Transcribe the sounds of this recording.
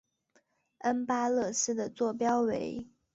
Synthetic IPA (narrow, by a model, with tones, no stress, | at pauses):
ə˥npa˥lɤ˥˩ʂɻ̩˥d̪ə˨t͡swɔ˥˩pjɑ˥ʊwe˧˥ɪ